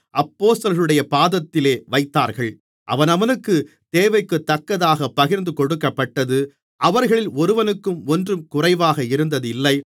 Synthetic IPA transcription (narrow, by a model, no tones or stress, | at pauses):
ʔɐpːoːst̪ɐlɣɐɾɯɽɐjɐpaːðɐt̪ːɪleːʋɐɪt̪ːaːɾɣɐɭ | ʔɐ̰ʋɐnɐʋɐnɯkːɯ | t̪eːʋɐɪkːɯt̪ːɐkːɐðaːɣɐpːɐɣɪɾnd̪ɯkɔɽɯkːɐpːɐʈːɐðɯ | ʔɐʋɐɾɣɐɭɪlɔɾɯʋɐnɯkːɯmɔndrɯmkʊrɐɪʋaːɣɐɪɾɯnd̪ɐðɯɪlːɐɪ